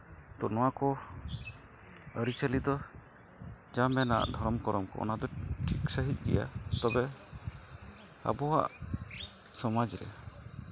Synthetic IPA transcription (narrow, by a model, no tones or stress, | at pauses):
t̪ɔnɔwakɔ | əɾit͡ʃəlid̪ɔ | d͡ʒamɛna̰ʔd̪ʱɔɾɔmkɔɾɔmkɔ̰ɔ̰nad̪ɔʈʰiksəɦic̪̚ˀɡɛ̰ja̰t̪ɔbɛ | a̰bɔɦa̰ʔ | sɔmad͡ʒɾɛ̰